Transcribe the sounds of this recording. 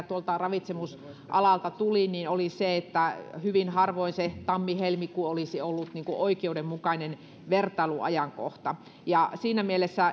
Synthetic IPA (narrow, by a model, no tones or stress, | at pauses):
t̪uolt̪ɑrɑʋit̪semus | ʔɑ̰lɑlt̪ɑt̪uliniːnoliseet̪ːæhyʋinhɑrʋoinset̪ɑmːihelmikːuolisiolːut̪niːŋkuʔoikeudemmukɑinen | ʋert̪ˑɑiluɑ̰jɑŋko̰ht̪ɑ | jɑsiːnæmielesːæ